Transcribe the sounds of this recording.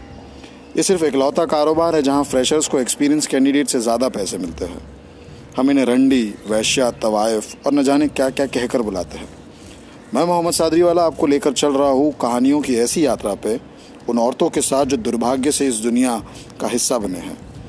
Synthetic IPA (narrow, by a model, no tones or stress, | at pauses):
jesɪɾfeːklɔːt̪akaːɾoːbaːɾɦɛ̃d͡ʒɐɦãfɾɛːʃəɾskoekspiːɾijənskɛ̃ːɳɖɪɖeːʈsezjaːd̪apɛːsemɪlt̪eɦɛ̰̃ː | hɐmɪneɾɐ̃ɳɖiʋɛːʃjat̪ɐʋaːɪfɔːɾnɐd͡ʒaːnekːjaːkjaːkɛɦkəɾbʊla̰ːt̪eɦɛ̃ː | mɛ̃ːmʊɦəmːəd̪saːd̪ɾiʋaːlaaːp̚koleːkəɾt͡ʃɐlɾɐɦaɦokɐɦaːnijõkiɛːsijaːt̪ɾape | ʊnɔːɾt̪õkesaːt̪̚ʰd͡ʒoːd̪ʊɾbʱaːɡjəseɪsd̪ʊnija | kaɦɪsːabɐneɦɛ̰̃ː